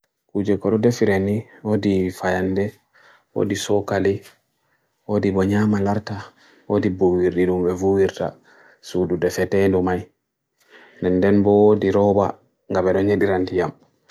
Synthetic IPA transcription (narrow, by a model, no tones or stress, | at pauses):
kud͡ʒɛkɔɗɔdɛfiɾeniwodifajandɛ | wo̰disɔkali | wodibɔɲamalaɾta | wodibowiɾɗiɗumɓɛvuwiɾta̰ | sududɛfɛtɛndɔmaj | ndɛndɛnbɔwodiɾɔba̰ | ŋɡabɛɗɔɲeɗiɾantijam